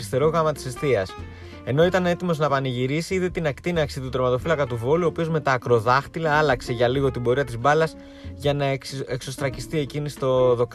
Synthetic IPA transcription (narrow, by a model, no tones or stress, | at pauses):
ɾist̪e̞ɾo̞ɣɐmɐt̪i̥sest̪iɐs | e̞no̞it̪ɐne̞t̪imo̞znɐpɐniʝiɾisiiðet̪inɐkt̪inɐksit̪ut̪ɾo̞mɐt̪o̞filɐkɐt̪uvo̞luoːpiozme̞t̪ɐːkɾo̞ðɐxt̪ilɐɐlɐkse̞ʝɐliɣo̞t̪ibo̞ɾiɐt̪izbɐlɐs | ʝɐnɐekso̞st̪ɾɐcist̪ie̞cinist̪o̞ðo̞k